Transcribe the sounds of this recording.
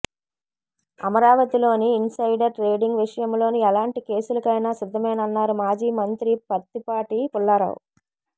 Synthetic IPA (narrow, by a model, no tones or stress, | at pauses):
ɐmɐɾaːʋɐt̪ilo̞ːniːnsɐjɖɐɾʈɾe̞ːɖiŋɡʋiʂɐjɐmlo̞ːniɐlaːɳʈike̞ːsulɐkɐjnaːsid̪ʱːɐmɐjnɐɐnːaːɾumaːd͡ʒiːmɐnt̪ɾipɐt̪ːipaːʈipulːɐɾɐ̰wṵ